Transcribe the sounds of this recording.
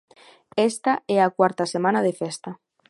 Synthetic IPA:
est̪aɛakwaɾt̪asemãnað̞efest̪a

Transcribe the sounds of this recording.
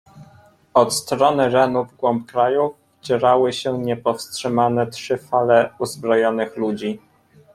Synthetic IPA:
ɔt̪st̪ɾɔnɘɾɛnuvɡwɔmpkɾajuf | t͡ɕɛɾawɘɕɛɲɛpɔfstʂɘmanɛtʂɘfalɛuzbɾɔjɔnɘxlud͡ʑi

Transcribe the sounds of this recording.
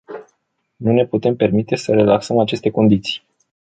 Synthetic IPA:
nune̞put̪e̞mpe̞rmit̪e̞səɾe̞laksəmat͡ʃe̞st̪e̞ko̞nd̪it̪si̥j

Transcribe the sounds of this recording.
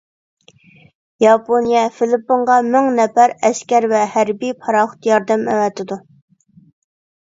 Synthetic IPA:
jɑpʰonijɛfɪlɪpːoɴʁɑmɪŋnɛfæɾɛskʲɛɾvɛhæɾbijpʰɑɾɑχʊ̥t̪jɑɾd̪ɛmɛ̰wɛt̪ʰɪd̪u

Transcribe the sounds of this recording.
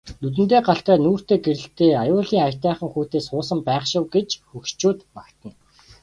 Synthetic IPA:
nɵt̪̬ɘ̆nt̪̬eːɢaɬt̪æːnuːr̥t̪eːɡeɾɘ̆ɬt̪eːajʊːɮiːŋaj̥ʲt̪æːχə̆ŋxuːt̪eːsχʊːsə̆mpæːχʃɪ̆wɡet͡ɕxɵkt͡ɕuːt̪pakt̪ə̆n

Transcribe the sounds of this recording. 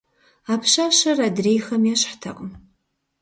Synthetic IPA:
aːpʰɕaːɕɐraːdrejxɐmjɛɕħtʰɐ̰qʼm

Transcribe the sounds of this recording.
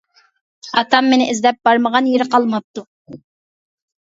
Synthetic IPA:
ɑt̪ʰɑmːenɪʔɪzdlɛp̚b̥ɑɾməʁɑnjeɾɪqɑlˠmɑp̚t̪u

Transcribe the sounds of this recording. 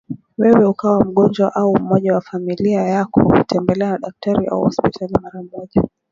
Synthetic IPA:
wɛwɛukawam̩ɠɔnd͡ʒwaʔaum̩mɔʄawafamiliajakɔ̰kutʰɛmbɛlɛanaɗak̚taɾiʔa̰uhɔspitʰalimaɾam̩mɔʄɔ

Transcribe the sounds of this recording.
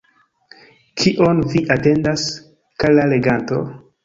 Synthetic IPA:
kʰiʔonviʔate̞ndas | kalale̞ɡanto̞̰

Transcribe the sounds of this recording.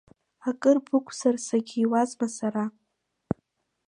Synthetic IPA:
akʼɨrbɨkʷʰʼsarsaɡʲiiwazmasaɾa

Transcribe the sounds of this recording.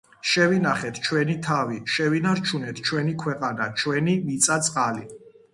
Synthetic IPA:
ʃɛvinaχɛt̪ʰt͡ʃʰwɛnit̪ʰaviʃɛvinaɾt͡ʃʰunɛt̪ʰt͡ʃʰwɛnikʰwɛqʼanat͡ʃʰwɛnimit̪sʼat̪sʼqʼali

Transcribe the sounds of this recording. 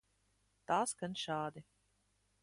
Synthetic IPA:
t̪aːsɡanʃaːd̪i

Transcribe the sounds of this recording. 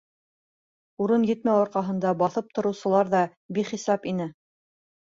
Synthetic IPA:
uɾɤnjɘ̆t̪mæwɑɾqɑɦɤ̆nd̪ɑbɑθɤp̚t̪ŏɾɤ̆wsɤ̆lˠɑɾðɑ | biχisɑpinɘ

